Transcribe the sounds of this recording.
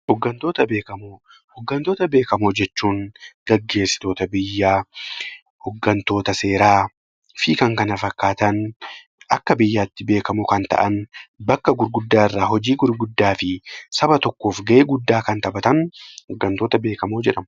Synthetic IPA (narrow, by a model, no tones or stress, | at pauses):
hɔɡːɐnt̪o̞ːt̪ɐbeːkɐmoː | hɔɡːɐnt̪oːt̪ɐbe̞ːkɐmoːd͡ʒɛt͡ʃːuːŋɡ̥ɐɡːe̞ːsːɪ̥t̪o̞ːt̪ɐbɪjːaː | hɔɡːɐnt̪o̞ːt̪ɐseːɾaː | fiːkɐŋkɐnɐfɐkːaːt̪ɐn | ɐkːɐbɪjːaːt̪ːɪbe̞ːkɐmʊkɐnt̪ɐ̰ʔɐnbɐkːɐɡʊɾɡʊd̪ːaːɪrːaːɦɔd͡ʒiːɡʊɾɡʊd̪ːaːfɪsɐbɐt̪ɔkːo̞ːfɡɐʔeːɡʊd̪ːaːkɐnt̪ɐbɐt̪ɐnhɔɡːɐnt̪o̞ːt̪ɐbe̞ːkɐmoːd͡ʒɛᶑɐmɐ